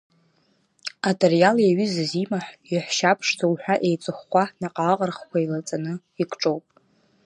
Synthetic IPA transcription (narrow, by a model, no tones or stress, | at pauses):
atʼerijaljaɥʏzɨzimaħiħʷʃapʰʂtʰowħᶣʷaʔejt͡sʼɨχːʷanaqʼaqʼərχkʷʰailat͡sʼanɨ | ikʷʰʼʈ͡ʂʼowpʼ